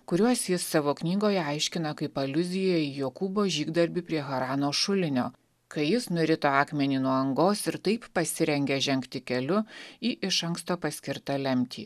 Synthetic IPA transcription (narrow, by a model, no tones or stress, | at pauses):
kʊɾʲuɔsjɪsːɑːʋoːknʲiːɡoːjɛɐɪʃʲkʲɪnɐkɐɪpɐlʲʊzʲɪjɛɪjoːkuːboːʒʲiːɡd̪ɐɾʲbʲiːpʲɾʲiɛɣɐɾɑːnoːʃʊlʲɪnʲoː | kɐɪjɪsnʊɾʲɪt̪oːɑːkmʲɛnʲiːnuɔɐŋɡoːsɪɾt̪ɐɪppɐsʲɪɾʲɛŋʲɡʲɛʒʲɛŋʲkt̪ʲɪkʲɛlʲʊiːʔɪʃɐŋkst̪oːpɐsʲkʲɪɾt̪ɑlʲɛmʲt̪ʲḭː